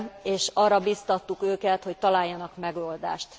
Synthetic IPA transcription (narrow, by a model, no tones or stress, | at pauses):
eːʃɒːrɒbiːst̪ɒt̪ːukøːkɛt̪ho̞c̚t̪ɒlaːjːɒnɒkmɛɡoːld̪a̰ːʃt̪